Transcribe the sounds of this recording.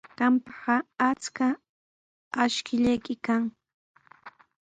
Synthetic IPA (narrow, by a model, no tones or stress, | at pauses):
ɢ̥ɑmpɑ̥ɢɑat͡ska | aʃkɪʎajkɪkaŋ